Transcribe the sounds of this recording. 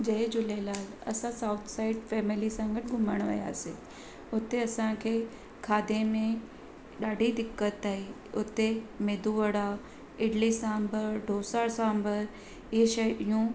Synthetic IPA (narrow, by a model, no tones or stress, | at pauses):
d͡ʑɐɦed͡ʑʊlelaːɡɐ̰sãsaːʊt̪ʰsaːɪɖfɛːmɪlisãːŋɡəʈɡʱʊməɽ̃ʋɐ̰ja̰ːsḭ̃ | ʊt̪eɐsãkʰeː | kʰaːd̪ʱẽmẽ | ɗaːɖʱid̪ɪkːət̪aːɦi | ʊt̪emeːd̪ʱuʋəɽa | ɪɽlisãːmbəɾɖʱoːsaːɾsãːmbəɾ | ɪʃɐjɪjũ